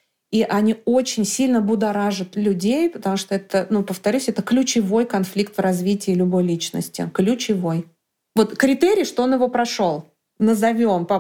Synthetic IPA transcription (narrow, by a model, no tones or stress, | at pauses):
iʔɐnʲio̞t͡ɕɪnʲsʲilʲnəbʊd̪ɐɾaʐɨt̪lʲʊdʲejpət̪ɐmuʂt̪o̞ɛt̪ənupəft̪ɐɾʲʉsʲɛt̪əklʲʊt͡ɕɪvo̞jkɐnflʲik̚t̪vrɐzvʲitʲɪːlʲʊbo̞jlʲit͡ɕnə̰sʲtʲɪ̰klʲʊt͡ɕɪvo̞j | vo̞t̪kɾʲɪt̪eɾʲɪjʂt̪oonjɪvo̞pɾɐʂo̞lˠ | nəzɐvʲo̞mpɐ